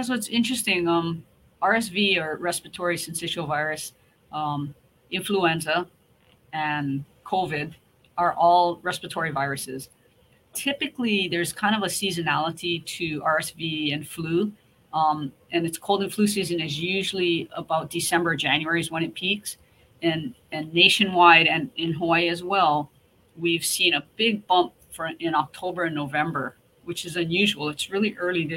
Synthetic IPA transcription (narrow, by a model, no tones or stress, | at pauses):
sɨtsɪ̃nt͡ʃɹ̥ɨstɪ̃ŋʌ̃m | ʔɑɹɛs̬viə˞ɹɛspəɨtʰɔɹisɨ̃n̩sɪʃoʊvaɪɹɨs | m | ʔɪ̃ɱfluɛ̃nzə | ɨ̃nkʰoʊvɪd | ə˞ʔɔlˠɹɛspɨtʰɔɹivaɪɹɨsɪz̥ | tʰɪpɨkliðə˞z̥kʰãɪ̃ndʌvəsizɨnælˠəɾiɾɨɑɹɛsviɨ̃nflu | ʔɨ̃nɨtskʰoʊlˠdɨ̃nflʉs̬izɨ̃nɨzjʉʒl̩ˠiəbaʊt̚d̥ɨsɛ̃mbə˞d͡ʒæ̃njʉɛɹizwʌ̃ñɨt̚pʰiks | ɨ̃nɨ̃nːeɪʃɨ̃nwaɪɾɨ̃nɪ̃nɦɔɪɨzwɛlˠ | wiv̥sĩnɨb̥ɪɡ̚bʌ̃mp | fəɨ̃ñɑk̚tʰoʊbə˞ɨ̃nːoʊvɛ̃mbə˞ | wɨt͡ʃɨzɨ̃njʉʒəwl̩ˠɨtsɹɪlˠiʔɜ˞lˠið